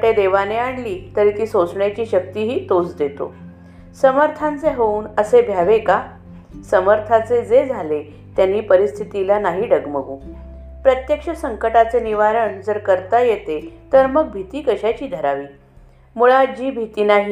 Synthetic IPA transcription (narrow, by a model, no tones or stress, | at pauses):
ʈed̪eʋaneaɳliːt̪əɾiːt̪iːsot͡sɳjat͡ɕiːɕək̚t̪iɦiːt̪ot͡sd̪et̪o̰ | səməɾt̪ʰãnt͡seɦouːnəsebʱjaʋeka | səməɾt̪ʰat͡sed͡zed͡zʱale | t̪janːiːpəɾist̪ʰit̪ilanaɦiːɖəɡməɡuː | pɾət̪jəkʂəsəŋkəʈat͡seniʋaɾəɳd͡zəɾkəɾt̪ajet̪et̪əɾməɡ̚bʱit̪iːkəɕat͡ɕiːd̪ʱəɾaʋiː | muɭad͡ʑiːbʱit̪iːnaɦi